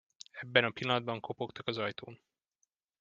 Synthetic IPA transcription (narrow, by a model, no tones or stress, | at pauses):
ɛbːɛnɒpilːɒnɒd̪̚bɒŋko̞po̞kt̪ɒkɒzɒjt̪ʰoːn